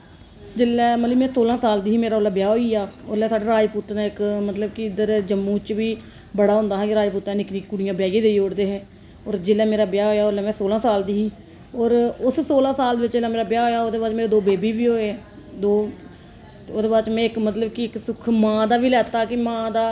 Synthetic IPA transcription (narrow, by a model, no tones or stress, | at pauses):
d͡ʒɪlːɛːməliːmɛ̃ːsoːlãːsaːld̪iːɦiːmeːɾaːoːlaːbjaːɦoːiːaːolɛːsaːɖeːɾaːipuːt̪ːnãːɪkmət̪ləbkiɪd̪əɾd͡ʒəmːũːt͡ʃʋiː | bəɽaːɦʊ̃ːnd̪aːɦãːkɪɾaːipuːt̪ɛ̃ːnɪkniːkuɽɪjãːbjaːjẽːd̪eːioːɽd̪eːɦɛ̃ː | ɔːɾd͡ʒɪlːɛːmeːɾaːbjaːɦoːjaːolɛːmɛ̃ːsoːlãːsaːld̪iːɦiː | ɔːɾʊsːoːlãːsaːld̪eːʋɪt͡ʃd͡ʒɪlːɛːmeːɾaːbjaːɦoːjaːoːd̪eːbaːt͡ʃmeːɾeːd̪oːbeːbiːʋiːɦoːeɛ | d̪oː | oːd̪eːbaːt͡ʃmɛ̃ːɪkmət̪ləbkiɪksʊkʰmãːd̪aːʋiːlɛːt̪ːaːkɪmãːd̪aː